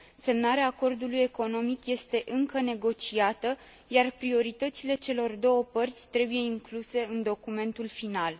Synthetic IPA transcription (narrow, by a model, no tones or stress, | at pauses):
se̞mnaɾeaːko̞rd̪uluje̞ko̞no̞mikje̞st̪e̞ʔɨŋkəne̞ɡo̞t͡ʃiat̪ə | jarpɾio̞ɾit̪ət̪sile̞t͡ʃe̞lo̞rd̪o̞wəpərt̪sʲt̪ɾe̞buje̞iŋkluse̞ɨnd̪o̞kume̞nt̪ulfinal